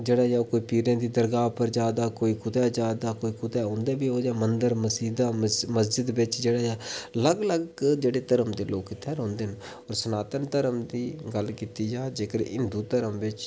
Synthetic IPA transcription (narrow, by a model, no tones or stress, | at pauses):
d͡ʒeːɽaːjaːokoːiːpiːɾẽːd̪iːd̪əɾɡaːpəɾd͡ʒjaːd̪aːkoːiːkʊt̪ɛːd͡ʒaːd̪aːkoːiːkʊt̪ɛːʊ̃nd̪eːbiːɦoːd͡ʒaːmənd̪əɾməsiːd̪aːməs̬d͡ʒɪd̪bɪt͡ʃd͡ʒeːɽaːjaːləɡləɡd͡ʒeːɽeːt̪əɾəmd̪eːloːkɪt̪ʰɛːɾõːnd̪en | ɔːɾsənaːt̪ənt̪əɾəmd̪iːɡəlkiːt̪iːd͡ʒaːd͡ʒeːkəɾɪ̰nd̪uːt̪əɾəmʋɪt͡ʃ